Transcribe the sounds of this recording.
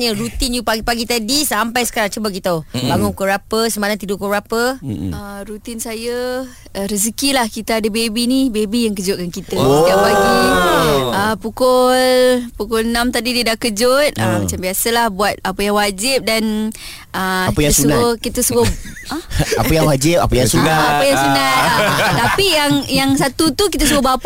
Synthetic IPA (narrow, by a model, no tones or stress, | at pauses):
ɲəɾut̪injupaɡipaɡit̪adisampajsə̥kaɾaŋt͡ʃəbakit̪abaŋunkəɾapəsəmalaŋt̪idukoɾapəəɾut̪ɪnsajə | ɾəsəkilahkit̪əadəbebinibebijaŋkəd͡ʒʊt̪̚kankit̪əiabaɡi | əpukʊlpukʊlənãmt̪adidiədaʔkəd͡ʒʊt̪̚əmat͡ʃambiasəlahbuat̪̚apəjaŋwad͡ʒɪp̚dan | əkəjiaasuunokit̪əsuɡoəapəjaŋwad͡ʒɪp̚a̰pəjasunaapəjaŋsunat̪apijaŋjaŋsat̪ut̪uk̬it̪əsuɡobap